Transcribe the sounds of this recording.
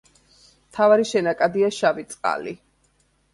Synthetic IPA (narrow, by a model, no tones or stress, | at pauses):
mt̪ʰavaɾiʃɛnakʼad̪iaʃavit̪sʼqʼa̰lḭ